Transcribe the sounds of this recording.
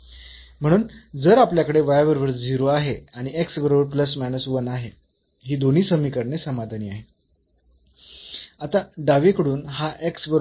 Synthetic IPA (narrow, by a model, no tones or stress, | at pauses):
m̤əɽ̃uːnd͡zəɾapljakəɽeʋajaʋəɾʋəɾd͡ziɾoaɦeaɽ̃ieksbəɾobəɾpləs̬mænəsuʋənaɦe | ɦiːd̪on̤iːsəmiːkəɾnesəmad̪ʱaniːaɦe | at̪aɖaʋekəɽuːnɦaʔeksbəɾo